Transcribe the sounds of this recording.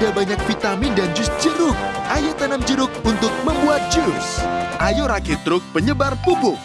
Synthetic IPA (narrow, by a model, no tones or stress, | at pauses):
dabaɲak̚fit̪amidand͡ʒʊs̚d͡ʒəɾʊk̚ʔajot̪anamd͡ʒəɾʊk̚unt̪ʊk̚məmbuat̪̚d͡ʒusʔajoɾakɪt̪ɾʊk̚pəɲəbarpubʊk̚